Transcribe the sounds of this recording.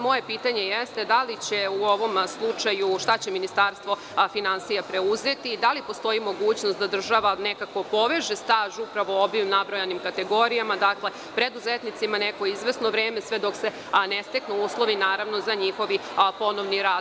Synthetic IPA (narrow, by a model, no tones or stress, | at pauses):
mo̞je̞piːt̪aɲe̞jest̪ed̪alit͡ɕeuo̞ʋo̞mslˠut͡ʃajuʃt̪at͡ɕe̞minist̪aːɾst̪ʋo̞ | finansijapɾe̞uze̞t̪iːd̪alipo̞st̪o̞imo̞ɡuːt͡ɕnost̪d̪ad̪r̩ʒaʋane̞kako̞po̞ʋe̞ʒest̪aːʒupɾaʋo̞obimnabɾo̞janimkat̪e̞ɡo̞ɾijamad̪akle̞ | pɾe̞d̪uzet̪nit̪simane̞ko̞izʋe̞snoʋɾeːme̞sʋed̪o̞kse̞ | nest̪e̞knuuːslˠo̞ʋinaːɾaʋno̞zaɲixo̞ʋipo̞no̞ʋniɾaːd̪